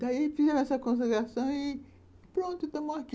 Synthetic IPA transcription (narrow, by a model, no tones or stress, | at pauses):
d̪aifizɛɾɐ̃ɛsɐkõs̬eɡɾasɐ̃w̃ɪ | pɾõnt̪ʊet̪ɐ̃moaki